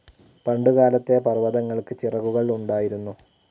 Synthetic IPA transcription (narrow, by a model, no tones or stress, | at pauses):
pɐɳɖuɣaːlɐt̪ːepɐrʋɐðɐŋːɐɭkɨt͡ɕirɐɣuɣɐɭuɳɖaːjiɾunːu